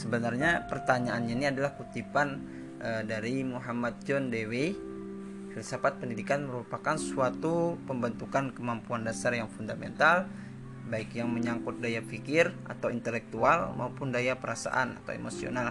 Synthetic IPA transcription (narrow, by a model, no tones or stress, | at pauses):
səbənarɲapərt̪aɲaanɲaniadalahkut̪ipan | ʔədaɾimuɦamat̪̚d͡ʒɔndewe | hilisapat̪̚pəndidikanməɾupakansuat̪upəmbənt̪ukankəmampuandasarjaŋfundamɛnt̪al | baikjaŋməɲaŋkʊt̪̚dajafikɪra̰t̪awint̪əlɛk̚t̪ualma̰upʊndajapəɾasa̰ʔa̰na̰t̪a̰wḛmosio̰nal